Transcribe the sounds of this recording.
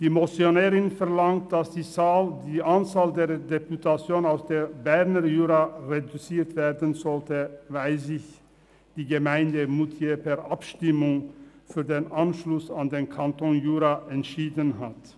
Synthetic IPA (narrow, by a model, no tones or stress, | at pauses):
d̥iːmot͡sjonɛːʁɪnfɛɐlaŋt̚d̥asd̥iːzaːldiːʔant͡saːldeːɐdeputʰat͡sjoːnaʊsd̥eːbɛʁnəjuːʁaʁedut͡siːʁtv̥eːɐdənzɔltəvaɪlzɪç | d̥iːɡəmaɪndəmutʰjepʰɛɐʔapʃtɪmʊŋfyːɐdeːnʔanʃlʊsandeːnkʰantʰonjuːʁaʔɛntʃiːdənɦat